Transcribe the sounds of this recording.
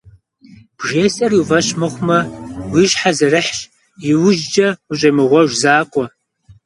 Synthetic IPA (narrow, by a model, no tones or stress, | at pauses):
b̥ʒeːsʼɐriwvɐɕmɨχʷmɐwiʃħazɐrɨħɕ | jɪwʊʒd͡ʒɐʊɕʼɐmɨʁʷɔʒʷzaːkʷʼɔ